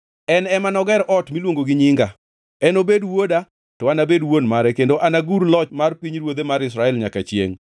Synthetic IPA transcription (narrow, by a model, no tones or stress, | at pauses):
ɛnɛmanɔɡɛɾʔɔtmilwoŋɡoɡɪɲɪŋɡa | ɛnobedwoda | tɔanabedwonmaɾɛkendoʔanaɡuɾlɔt͡ʃmarpiɲɾwod̪emaɾɪs̬ɾaɛlɲakat͡ʃjḛŋ